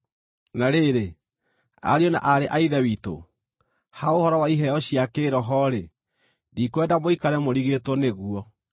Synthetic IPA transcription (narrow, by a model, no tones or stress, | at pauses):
naɾeɾe | a̰ɾiɔna̰ʔaɾeʔaiðɛwito̰ | haohɔɾɔwaiɦɛɔɕiakeːɾɔɦɔɾe | dikwɛdamoikaɾɛmoɾiɣetwɔneɣuɔ